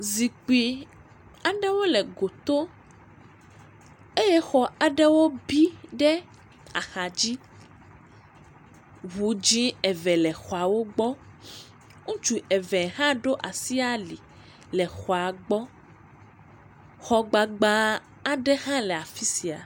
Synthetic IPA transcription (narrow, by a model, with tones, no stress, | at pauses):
zi˨k͡pi˨ | a˨ɖɛ˦wo˦lɛ˨ɡo˨t̪o˦ | e˦jɛ˦xɔ˨a˨ɖɛ˦wo˦bi˦ɖɛ˦ | a̰˨xa˨d͡ʑi˦ | βu˨˦d͡ʒĩ˦ɛ˨vɛ˨lɛ˨xɔ˨a˨wo˦ɡ͡bɔ˦ | ŋũ˦t͡ʃu˨ɛ˨vɛ˨ɦã˦ɖo˦ʔa˨si˦a˦li˨ | lɛ˨xɔ˨a˨ɡ͡bɔ˦ | xɔ˦ɡ͡ba˨ɡ͡ba˦ | a˨ɖɛ˦hã˦lɛ˨a˨fi˦si˨a̰˨